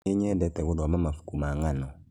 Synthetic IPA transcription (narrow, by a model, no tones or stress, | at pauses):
eɲɛdɛtɛɡʊdmamafu̥kumaŋanɔ